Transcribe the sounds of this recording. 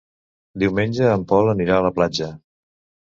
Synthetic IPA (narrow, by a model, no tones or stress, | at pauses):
d̪iwmenʲd͡ʒəːmpɔləniɾaələplad͡ʒə